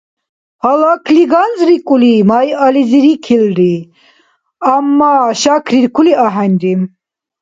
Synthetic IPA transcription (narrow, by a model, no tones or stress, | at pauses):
halakʰliɡanzɾikʼulimajaliziɾikʰilɾi | amːaʃakʰɾiɾkʰuliaɦanʲɾim